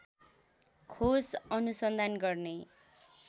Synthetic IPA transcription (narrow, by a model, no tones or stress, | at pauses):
kʰosʌnusʌnd̪ʱanɡʌrne